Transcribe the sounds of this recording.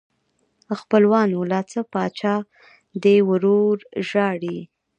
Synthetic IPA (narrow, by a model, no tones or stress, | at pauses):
xpəlwɑnolɑt͡səpɑt͡ʃɑ | d̪ewəɾoɾʒɑɽi